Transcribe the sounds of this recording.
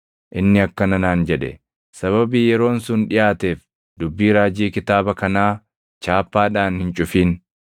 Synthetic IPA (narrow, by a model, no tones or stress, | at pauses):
ʔɪnːɪɐkːɐnɐnaːnd͡ʒɛᶑɛ̰ | sɐβɐbiːjɛɾo̞ːnsʊnᶑɪjʔaːt̪eːf | d̪ʊbːiːɾaːd͡ʒiːkɪt̪aːbɐkɐnaː | t͡ʃaːpːaːᶑaːnhɪnt͡ʃʼʊfiːn